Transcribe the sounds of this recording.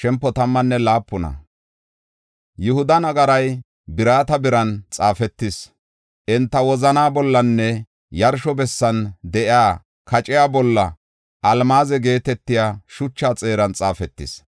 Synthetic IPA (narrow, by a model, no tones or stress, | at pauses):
ʃɛmpːɔt̪ɐmːɐnːɛlaːpːʊnɐ̰ | jʊhʊd̪ɐnɐɡɐɾɐj | bɪɾaːt̪ɐbɪɾɐnt͡sʼaːfɛt̪ːɪs | ʔɪnt̪ːɐwɔzɐnaːbɔlːɐnːɛ | jɐɾʃɔbɛsːɐnd̪ɛʔɪaː | kɐt͡ʃʼɪjaːbɔlːɐ̰ | ʔɐlmaːzɛɡe̞ːt̪ɛt̪ːɪjaːʃʊt͡ʃːaːt͡sʼe̞ːɾɐnt͡sʼaːfɛt̪ːɪ̰s